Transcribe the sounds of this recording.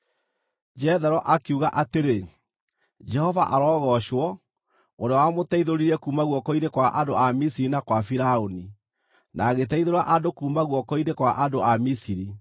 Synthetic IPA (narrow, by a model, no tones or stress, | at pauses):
d͡ʒɛðɛɾɔʔakeuɣaʔateɾe | d͡ʒɛhɔvaʔaɾɔːɣɔɕwɔ | oɾeɔwamotɛiðoɾiɾɛkuːmaɣwɔkɔinekwaʔadoamisiɾinakwafiɾaoni | naɣet̬ɛiðoɾaʔadokuːmaɣwɔkɔinekwaʔadoʔamisiɾi